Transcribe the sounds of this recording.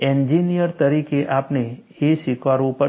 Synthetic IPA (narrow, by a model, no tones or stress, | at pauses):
ɛnd͡ʒinijəɾt̪əɾikeʔapne | eʃikʰʋaɾũpə